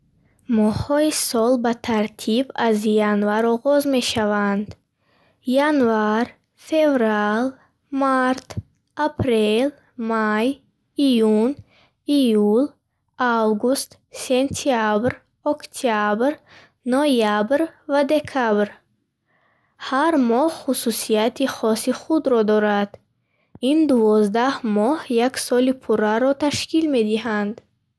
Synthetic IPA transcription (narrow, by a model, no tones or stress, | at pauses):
mɔhɔisɔlbat̪ʰaɾt̪ʰibazjanvaɾɔɣɔzme̞ʃavand̪ | janvaɾ | fe̞vɾal | maɾt̪ | apʰɾel | maj | ijun | ijul | awɡust̪ | sent̪ʰiabɾ | ɔkt̪ʰiabɾ | nɔjabɾvad̪e̞kʰabɾ | haɾmɔhχususiat̪ʰiχɔsiχud̪ɾɔd̪ɔɾad̪̥ | ind̪uvɔzd̪ahmɔhjaksɔlipʰuɾaɾɔt̪ʰaʃkilme̞d̪ihand̪